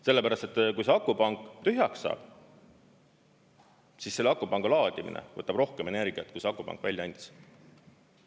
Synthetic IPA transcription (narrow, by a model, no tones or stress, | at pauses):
se̞lːe̞pæɾɑst̪et̪ːˑkujseɑkːˑupɑŋkːˑt̪yɦjɑkssɑ̰ːb̥ | sisːe̞lːeɑkːˑubɑŋɡ̥ɑlɑːd̪̥imḭnḛvɤt̪ːɑb̥ro̞hkeme̞ne̞rɡ̥iɑt̪̚kujseɑkːupɑ̰ŋkːˑvæljɑɑnʲd̪̥i̥s